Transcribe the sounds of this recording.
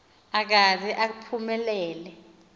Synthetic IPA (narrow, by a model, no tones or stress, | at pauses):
ak̬azɛʔapʰumɛlɛːlɛ